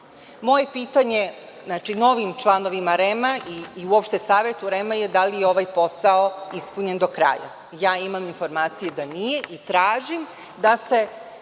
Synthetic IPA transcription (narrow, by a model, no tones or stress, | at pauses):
mo̞je̞piːt̪aɲe̞ | znaːt͡ʃino̞ʋimt͡ʃlˠano̞ʋimaɾemaiːuopʃt̪e̞saːʋet̪uɾemajed̪alijeo̞ʋajpo̞saoispuɲe̞nd̪o̞kɾa̰ja̰ | jaːimaminfo̞ɾmaːt̪sijed̪anije̞ʔit̪ɾaːʒim | d̪ase̞